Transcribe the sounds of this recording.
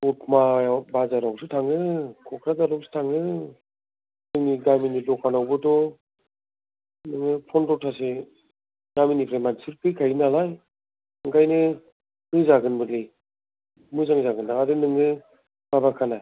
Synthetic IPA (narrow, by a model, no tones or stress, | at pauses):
ɔt̚ʰmabazaɾawsɯtʰaŋɯkʰɔkʰɾazaɾɔwksɯ̥tʰaŋɯ | nɯŋniɡaminidɔkʰanawbɯtɔ | nɯŋɯpʰɔndɔtʰːase | ɡaminipʰɾajmansɯɾpʰɯjkʰajnalaj | ɯŋkʰajnɯ | mɯzaɡɯnbɯlɯj | mɯzaŋzaɡɯndaŋadɯnɯŋɯ | babakʰana